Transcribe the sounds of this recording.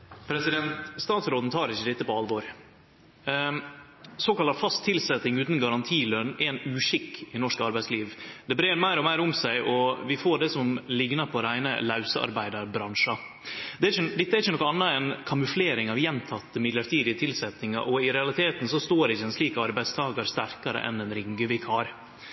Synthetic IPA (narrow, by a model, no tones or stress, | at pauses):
pʰɾɛsɪd̪ɛnt̪st̪ɑːt̪sɾoːd̪n̩t̪ʰɑːɾɪçːəd̪ɛt̪ːəpɔɑlʋɔɾ | soːkɑlɑfɑst̪ʰːɪlsɛt̪ːɪŋʉːt̪n̩ɡɑɾɑnt̪ʰiːlœnɛɛnʉːʂɪkːɪnɔʂkɑɾbæɪsliːʋd̪ɛbɾeːɾmæɪɾɔmæɪɾʊmsæɪʔɔʋɪfoːɖɛsɔmlɪɡnɑpʰɔɾæɪnə̰lɑʉsəɑ̰ɾbæɪd̪ɑɾbɾɑnʂɑ | d̪ɛæçəd̪ɛt̪ːəɛɾçənɔkːɔɑnːɑɛnkʰɑmʉfleːɾɪŋɑʋjɛnt̪ʰɑt̪ːəmɪlɑɾt̪ʰiːd̪ɪət̪ʰɪlsɛt̪nɪŋɑ̰ɾʔɔɪɾɛɑlɪt̪ʰeːt̪n̩sɔst̪oːɾɪçːəɛnsliːkəɑɾbæɪd̪st̪ʰɑːɡɑɾst̪æɾkɑɾə̰ʔɛ̰nɛnɾɪŋɡəʋɪkʰhɑːɾ